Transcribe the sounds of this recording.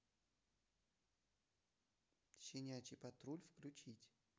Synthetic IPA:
ɕɪnʲat͡ɕɪpɐt̪ɾulʲfklʲʊt͡ɕitʲ

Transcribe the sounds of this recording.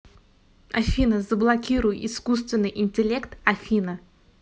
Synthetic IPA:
ɐfʲinəzəblˠɐkʲiɾʊjɪiskust̪vʲɪnːɨjʔɪnʲtʲɪlʲekt̪ɐfʲinə

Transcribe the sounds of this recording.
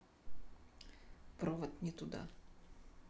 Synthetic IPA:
pɾɔvət̪nʲɛt̪ʊd̪a̰

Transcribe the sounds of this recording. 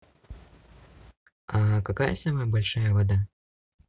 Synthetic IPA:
ɐkakajɐ̰sʲamɐjbɔlʲʂajɐvad̪a

